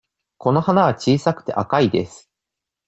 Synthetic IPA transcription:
ko̞no̞hanaβat͡ɕiːsakɯ̟̥t̪e̞ʔakaid̪e̞̰sɨ̥

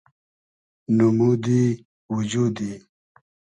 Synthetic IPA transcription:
numud̪i | wud͡ʑud̪i

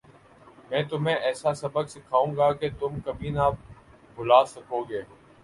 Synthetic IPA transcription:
mɛ̃ːt̪ʊmẽʔɛːsasɐbəɡsekʰaːũːɡaːket̪ʊmkɐbʱina | bʊlaːsɐkoːɡeː

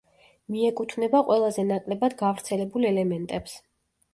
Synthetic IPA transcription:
miɛkʼut̪ʰvnɛbaqʼwɛlˠazɛnakʼlɛbad̪ɡavɾt̪sʰɛlɛbulɛlɛmɛnt̪ʼɛps

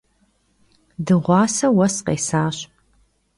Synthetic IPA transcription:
dɨʁʷɑːsɐwɐsqḛːsaːɕ

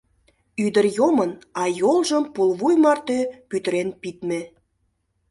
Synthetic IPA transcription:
yd̪ərjomənɑjolˠʒəmpulβujmɑrt̪øpyt̪əɾenpit̪me

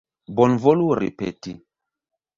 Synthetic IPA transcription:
bɔnvoluɾḭpḛti

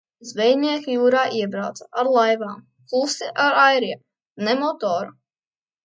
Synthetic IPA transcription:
zvɛjnʲiɛkʲijuːɾaːʔiɛbɾawt̪sḁaɾlˠajvaːm | klˠusiʔaɾajɾiɛ | nɛmɔt̪ɔːɾu

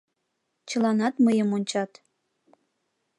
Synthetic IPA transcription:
t͡ɕəlɑnɑt̪məjəmonʲt͡ɕɑt̪

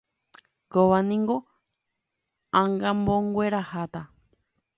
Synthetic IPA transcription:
koβanĩŋɡo | ãŋɡãmbõŋɡʷeɾahat̪a

